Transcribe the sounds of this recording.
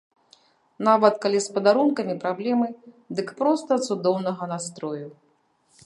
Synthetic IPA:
navɐt̪kalʲispɐd̪aɾunkɐmʲipɾablʲɛmɨ | d̪ɨkpɾɔst̪ɐt̪sud̪ɔwnɐɣɐnast̪ɾɔju

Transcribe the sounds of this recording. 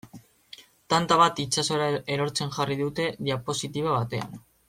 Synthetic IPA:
t̪ant̪aβat̪it͡ʃaso̞ɾae̞ɾo̞ɾt͡se̞nʝariðut̪e̞ðiapo̞sit̪iβ̞aβ̞at̪e̞a̰n

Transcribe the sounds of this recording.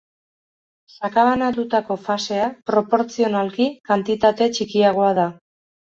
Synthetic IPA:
sakaβanat̪ut̪ako̞fase̞apɾo̞po̞ɾt͡sio̞nalkikant̪it̪at̪e̞t͡ʃikiaɣ̞o̞að̞a

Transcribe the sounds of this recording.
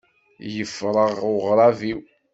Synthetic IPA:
jəfɾˤəʁʊʁɾˤɑviw

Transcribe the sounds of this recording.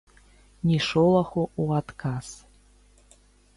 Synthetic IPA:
nʲiʂolˠɐxuuat̪kʰaz̥

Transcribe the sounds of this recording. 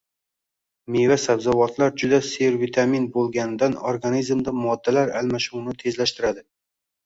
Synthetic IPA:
mevasabzawɒt̪ʰlaɾd͡ʒʊd̪aseɾvit̪ʰaminbolˠɡʲanɪd̪anoɾɡanizmd̪amɒd̪ːalaɾalmaʃuwnɪt̪ʰe̞zlaʃt̪ɪɾad̪ɪ

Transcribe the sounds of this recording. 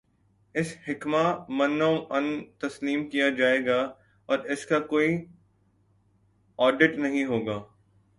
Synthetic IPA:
ɪshɪkmamɐnːõʔɐ̃nt̪ɐsliːmkijad͡ʒaːeːɡa | ɔːɾɪskakoːi | ɔːɖɪʈnɐɦĩɦoːɡaː

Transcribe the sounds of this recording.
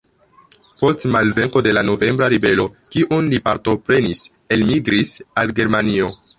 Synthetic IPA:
po̞stmalve̞ŋko̞de̞lano̞ve̞mbɾaɾibe̞lo̞kiʔunlipaɾto̞pɾe̞nis | e̞lmiɡɾisalɡe̞ɾmanio̞

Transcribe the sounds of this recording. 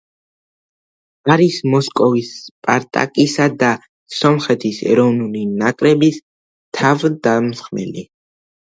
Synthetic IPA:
aɾismɔskʼɔvispʼaɾt̪ʼa̰kʼisad̪a | sɔmχɛt̪ʰisɛ̰ɾɔvnulinakʼɾɛbis | t̪ʰavd̪amsχmɛ̰li

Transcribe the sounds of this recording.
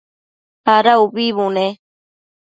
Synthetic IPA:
aɾauβiβune

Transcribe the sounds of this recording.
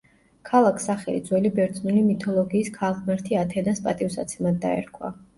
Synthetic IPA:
kʰalˠakʰsaχɛlḭd̪zwɛlibɛɾt̪zʰʼnulimit̪ʰɔlˠɔɡiːskʰalʁmɛɾt̪ʰiat̪ʰɛnaspʼat̪ʼifsa̰t̪sʰɛmad̪̚ːa̰ɛ̰ɾkʰwa̰

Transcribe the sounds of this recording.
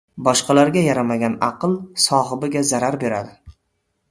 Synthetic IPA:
bɒʃqɑlaɾɡʲajaɾamaɡʲanɑqɨlˠsɒɦɪbɪɡʲazaɾaɾbe̞ɾa̰d̪ɪ

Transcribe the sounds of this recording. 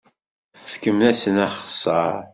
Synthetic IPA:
fkəmnæsənæχsˤəɾ

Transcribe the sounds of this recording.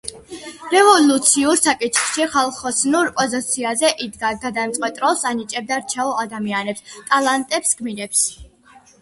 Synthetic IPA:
ɾɛvɔlˠut̪sʰiuɾsakʼit̪ʰχʃiχalˠχɔsnuɾpʼɔzit̪sʰiazɛʔid̪ɡaɡad̪aɛmt̪sʼqʼwɛt̪ʼɾɔlˠsanit͡ʃʼɛb̚d̪aɾt͡ʃʰɛɔad̪amianɛpst̪ʼalˠant̪ʼɛpsɡmiɾɛps

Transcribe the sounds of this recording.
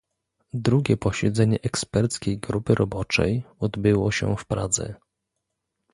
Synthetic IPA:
d̪ɾuɡʲɛpɔɕɛd̪zɛɲɛʔɛkspɛɾt̪skʲejɡɾupɘɾʔɔbɔt͡ʂɛ̰jɔd̪bɘwɔɕɛ̰fpɾad̪zɛ̰

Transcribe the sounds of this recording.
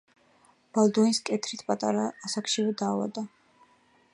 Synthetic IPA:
b̥alˠd̪uiskʼɛt̪ʰɾit̪ʰpʼat̪ʼa̰ɾaːsakʰʃivɛd̪aːva̰d̪a

